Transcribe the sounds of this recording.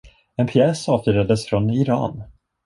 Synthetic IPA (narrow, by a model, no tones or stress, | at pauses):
ɛnpʰjɛːsɑːvt̪œɾad̪əsfɾɔnɪɾɑ̰ːn